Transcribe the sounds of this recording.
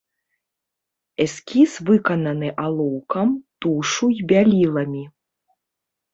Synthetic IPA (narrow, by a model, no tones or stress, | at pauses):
ɛsʲkʲisvɨkɐnɐnɨʔalˠɔwkɐmt̪uʂujbʲalʲilˠɐmʲi